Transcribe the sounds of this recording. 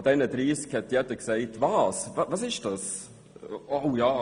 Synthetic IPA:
d̥̪ɛnədɾiːskhɛt̪jɛd̪əkseɪtvɑːsɑvɑsɪʃd̥ɑs | oʊjɑː

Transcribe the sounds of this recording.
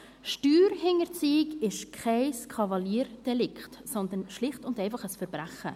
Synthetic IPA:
ʃtyːɾhɪŋəɾt͡siːɪɡɪʃkʰχaɪskʰɑvɑliːɾd̥ɛlɪktsɔnd̪ənʃlɪχtʊndɛɪfɑχəsfəɾbɾæχə

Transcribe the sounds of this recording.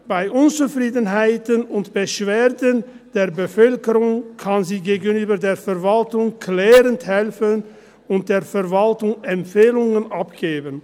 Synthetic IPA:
b̥aɪʔʊnt͡sufʁ̥iːdənɦaɪtənʊntb̥əʃv̥eːɐdən | d̥eːɐbəfœlkəʁʊŋkʰanziːɡeːɡənyːbɐdeːɐfɛɐvaltʊŋkʰlɛːʁənthɛlfən | ʊnt̚d̥eːɐfɛɐvaltʊŋɛmfeːlʊŋənʔapɡ̥eːbən

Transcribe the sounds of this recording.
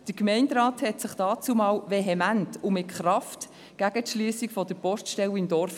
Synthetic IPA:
d̥əɾkmɛɪndɾɑːthɛtsɪχd̥ɑːt͡sumɑːwvɛɦɛmæntʊmɪtkχɾɑft | ɡ̥æɡ̥ətʃlyːəsikfɔd̥əɾpɔstʃtɛwɪmd̥ɔɾf

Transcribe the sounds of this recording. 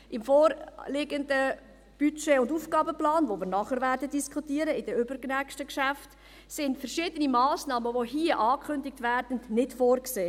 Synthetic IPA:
ʔɪmfɔːɾlɪɡəndə | b̥yt͡ʃeʊnduːfɡ̥ɑːbəplɑːnvoʋɪːɾnɑχəɾvæɾdədiskχutiːəɾəɪd̥əʏbəɾknækʃtəkʃæft | sɪndfəɾʃɪːdənimɑːsnɑːməvoɦiːəʔɑːkʰχʏndɪktʋæɾd̥ən̩dnɪtfoːrkseː

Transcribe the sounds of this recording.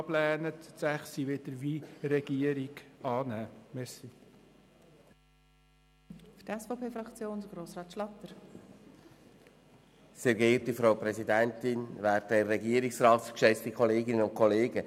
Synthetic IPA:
plæːnət̪sæχsiʋɪd̪̥əɾʋiɾɛɡ̥iəɾiɡɑːnæːmɛsi | fd̥əɛsfopʰeːfɾɑkt͡sjoːndəɡɾoːsrɑːt̪ʃlɑt̪əɾ | seːɾɡɪːɾtifɾawpɾɛsidɛntɪnvæːɾtdɛrːɛɡiəɾɪksrɑːt̪kʃɛstikʰɔleːɡɪnənʊn̚kʰɔleːɡə

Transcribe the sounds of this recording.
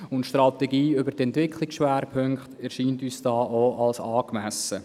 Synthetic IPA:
ʊntʃtrɑt̪ɛɡiːʏbəɾtɛntʋɪkʰχliksʃʋæːɾpʰøŋkχtæɾʃiːntyːsd̥ɑːʔoʔɑlsɑːkmæsə

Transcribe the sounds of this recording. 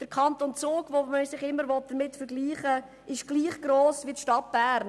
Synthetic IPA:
d̥əɾkʰɑntoːnt͡soːɡvoməsɪχɪmːəɾʋɔt̚d̥̪əɾmɪtfəɾɡliːχə | ɪʃɡ̥liːχɡ̥ɾoːsvitʃtɑt̚b̥æːɾn

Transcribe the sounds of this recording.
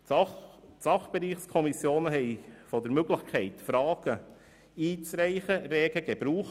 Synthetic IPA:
sɑχb̥eɾiːχskʰɔmisjoːnəɦɛɪfɔdəɾmøɡlɪçkʰɛɪtfɾɑːɡ̥ə | iːt͡sɾɛɪχəɾeːɡəɡ̥eb̥ɾuːχ

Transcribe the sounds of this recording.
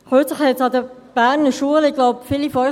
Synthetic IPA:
χøːt͡sləχhɛsɑd̪əb̥æːʁnəʃuəlɪɡ̥lɔʊpfiːlifɔ

